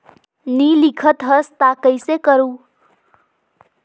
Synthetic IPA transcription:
nilikʰət̪ɦʌst̪akəjsekʌɾu

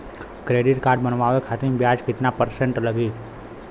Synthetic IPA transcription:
kɾeːɖɪʈkaːɾɖ̚bənʋaːʋekʰaːt̪ĩmbjaːd͡ʒkɪt̪napəɾsə̃ɳʈləɡiː

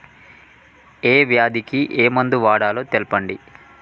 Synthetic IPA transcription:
eːʋjaːd̪ikiʔeːmɐnd̪uʋaːɽaːloːt̪elpɐɳɖi

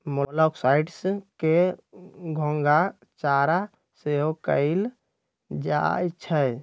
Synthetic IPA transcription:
molɔksaiʈske | ɡʱõŋɡa | t͡ʃaɾa | seɦokə̰ɪl | d͡ʒa̰jt͡ʃʰɛ

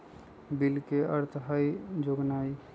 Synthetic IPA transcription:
bilkeʔəɾt̪ʰɦəjd͡ʒoɡnaj

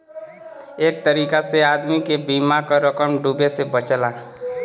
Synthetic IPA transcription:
eːk̚t̪əɾiːkaseaːd̪mikebiːmakaɾəkəmɖuːbesebət͡ʃəlaː

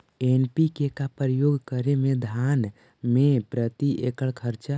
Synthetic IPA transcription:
enpikekapɾəjoɡkəɾemed̪ʱan | mepɾət̪iʔekəɭkʰəɾt͡ʃa

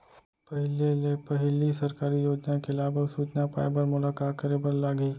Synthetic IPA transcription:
pɐɦɪlelepɐɦɪlisɐɾkaːɾijoːd͡ʒnakelaːbəɡsuːt͡ʃnapa̰ːebəɾmʊlaːkaːt̪kəɾebəɾlaːɡiː

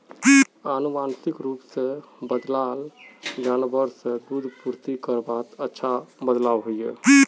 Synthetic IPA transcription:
anumansikɾupsẽbəd̪lald͡ʒanbəɾsẽd̪ud̪ʱpuɾt̪ikəɾbat̪ətːʃʰabəd̪labɦojje

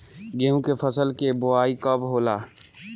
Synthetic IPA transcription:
ɡeːũkepʰəsəlkeboaːikəbɦoːlaː

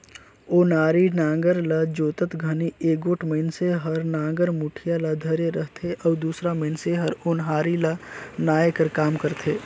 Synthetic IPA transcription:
oːnaːɾinãːŋɡəɾlad͡ʒoːt̪ət̪ɡʱɐnieːɡoːʈʰməɪnseɦəɾnãːŋɡəɾmuʈʰijalad̪ʱəɾeɾəɦt̪ʰeʔɔːd̪uːsɾaməɪnseɦɐɾʊnɦaːɾilanaːjekəɾkaːmkəɾt̪ʰeː

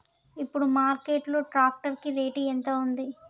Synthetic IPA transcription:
ipːuɽumaːɾkeːʈlo̞ːʈɾaːk̚ʈɐɾkiɾe̞ːʈiːent̪ɐund̪i

